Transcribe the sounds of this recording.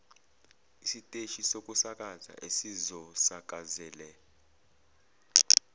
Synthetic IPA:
isitʼeʃisok̬ʼusak̬ʼaza̰ʔesizɔsak̬ʼazɛːlɛ

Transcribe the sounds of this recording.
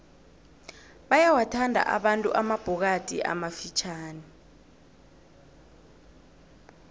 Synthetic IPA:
ɓajawatʰandʱa̰ʔa̰ɓantʼṵʔamab̥ʱɔk̬atʼḭʔa̰mafit͡ʃʰaːni

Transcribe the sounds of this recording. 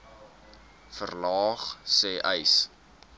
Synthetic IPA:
fərlɑːχsɛːʔəjs

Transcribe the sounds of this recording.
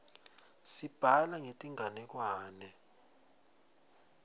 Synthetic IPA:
sib̥ʱalaŋetʼiŋanɛk̬waːnɛ

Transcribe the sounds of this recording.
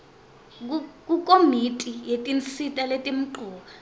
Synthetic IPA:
k̬k̬ukʼomitʼijetʼint͡sitʼaletʼim̩ǃʱɔːɓa

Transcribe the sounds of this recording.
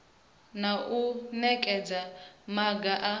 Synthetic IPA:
naʔunɛkʼɛd͡zamaɡaʔa

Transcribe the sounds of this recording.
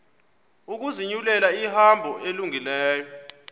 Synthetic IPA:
uk̬uziɲulɛlaihambʱɔeluŋilɛːjɔ

